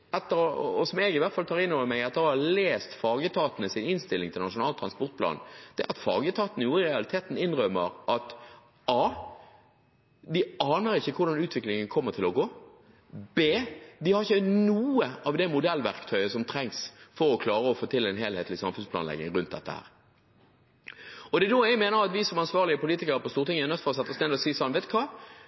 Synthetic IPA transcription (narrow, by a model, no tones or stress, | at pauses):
ɛt̪ːəɾɔsɔmɛɡɪʋæɾt̪fɑlt̪ʰɑːʁɪnːoːʋəmɛɡɛt̪ːəɾhɑleːst̪fɑːɡət̪ʰɑːt̪ənəsɪnɪnst̪ɪlːɪŋt̪ʰɪlnɑʂʊnɑːlt̪ʰɾɑnspɔɾt̪pʰlɑ̰ːnd̪̥ɛʔɑt̪fɑ̰ːɡət̪ʰɑːt̪ənəjuːɾəɪɾɛɑlɪt̪ʰeːt̪n̩ɪnʁœmːəɾʔɑt̪ | ɑː | d̪ɪɑːnəɾɪçːəkʰʊɖ̪ɑnʉːt̪ʰʋɪklɪŋənkʰɔmːəʁt̪ʰɪlɔɡoː | beːd̪ɪhɑʁɪçːənuːəɑʋd̪ɛmʊd̪ɛlːʋæʁkt̪ʰœʏəsɔmt̪ʰɾɛŋsfɔɾɔkʰlɑːɾəɔfoːt̪ʰɪlːɛnɦeːlheːt̪lɪsɑmfʉnspʰlɑ̰nɛ̰ɡnɪ̰ŋʁʉnt̪̚d̪ɛ̰t̪ːə̰hæ̰ːʁ | ɔd̪ɛd̪oːjɛɡmeːnəʁɑt̪ʋɪsɔmɑnsʋɑːʁlɪəpʰʊliːt̪ɪkəɾəpɔst̪uːʁt̪ɪŋəɛnət̪fɔtsɛt̪ːɔsnɛnd̪ɔsiːsɑlʋeːt̪kʰɑː